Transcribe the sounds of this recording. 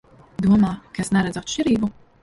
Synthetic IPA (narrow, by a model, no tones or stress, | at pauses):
d̪uɔmaːkaesnɛɾɛd̪zat̪ʃʲt͡ʃiɾiːbu